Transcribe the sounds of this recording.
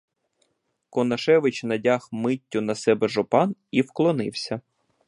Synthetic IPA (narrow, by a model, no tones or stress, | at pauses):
kɔnɐʃɛʋɪt͡ʃnɐdʲɑxmɪtʲːʊnɐsɛbɛʒɔpɑniwklˠɔnɪwsʲɐ